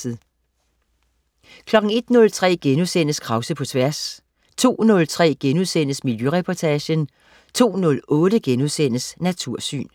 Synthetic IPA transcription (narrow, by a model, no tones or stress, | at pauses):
ð̩ˠ | kʰlɒ̽ɡ̥ŋ̩e̝d̥nɔ̽lt͡sʰʁɛ̰ːɡ̥enuðˠsen̰əskʰʁɑ̈ʊsəpʰɒ̽t͡sʰʋæɐs | t͡sʰo̝̰ːnɔ̽lt͡sʰʁɛ̰ːɡ̥enuðˠsen̰əsmiljøʁɛpʰɒt͡sʰæɕən | t͡sʰo̝̰ːnɔ̽lɔ̽ːɾəɡ̥enuðˠsen̰əsnæt͡sʰuɐ̰sy̰ːn